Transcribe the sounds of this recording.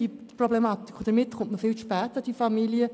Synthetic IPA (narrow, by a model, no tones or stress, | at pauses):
iproblemɑːt̪i̥kʰχodəmɪtχʊntməfɪlʃpɛːt̪əd̥ifamiliə